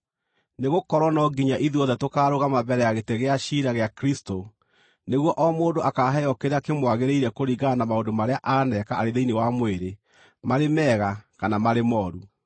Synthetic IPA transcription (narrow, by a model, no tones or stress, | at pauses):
neɣokɔɾwɔnɔɡiɲaʔiðuɔðɛtokaːɾoɣamabɛɾɛjaɣeteɣeaɕiɾaɣeakɾisto | neɣwɔʔɔmoːndoʔakaɦɛɔkeɾeakemwaɣeɾeiɾɛkoɾiɣanamaondomaɾeaʔanɛkaa̰ɾeðeinewamweɾe | maɾemɛɣakanamaɾemɔːɾu